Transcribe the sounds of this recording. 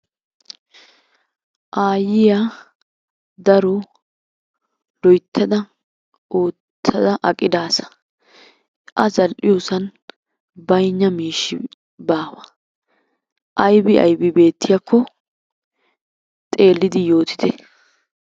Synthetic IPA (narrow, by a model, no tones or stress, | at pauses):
ʔaːjɪjaː | d̪ɐɾɔ | lɔjt̪ʰːɐd̪ɐ | oːt̪ʰːɐd̪ɐʔɐkʼːɪd̪aːsɐ̥ | ʔɐzɐlʔɪjoːsɐn | bɐjɲːɐmiːʃːɪ | baːwɐ | ʔɐjbɪɐ̰jbɪbe̞ːt̪ʰːɪjakʰːɔ | t̪ʼe̞ːlːɪd̪ɪjo̞ːt̪ɪ̥d̪ɛ